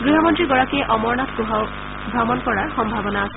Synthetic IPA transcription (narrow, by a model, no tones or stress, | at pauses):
ɡɾiɦɔmɔntɹiɡɔɹakieʔɔmɔɹnat̪ʰkuɦaw | bʱɾɔmɔnkɔɹaɹxɔmbʱabɔnaːs